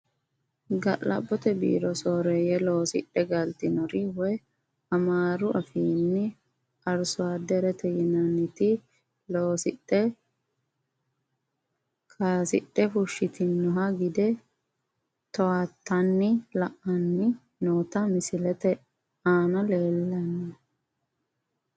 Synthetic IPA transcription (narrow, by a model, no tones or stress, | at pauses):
ɡɐʔlɐ̰bːɔt̪ɛbḭːɾɔsoːɾɛjɛlo̞ːsɪ̰ɗɛɡɐlt̪ɪnɔɾɪwɛ | ɐmaːɾʊʔɐfiːnːɪ | ɐɾsʊwaːd̪ɛɾɛt̪ɛjɪnɐnːɪt̪ɪ | loːsɪɗːɛ | kʰasɪ̰ɗːɛfʊʃːɪt̪ɪnːɔɦɐɡɪd̪ɛ | t̪ɔwat̪ːɐnːɪlɐʔːɐnːɪ | noːt̪ɐmɪsɪlɛt̪ɛ | aːnɐle̞ːlːɐnːɛ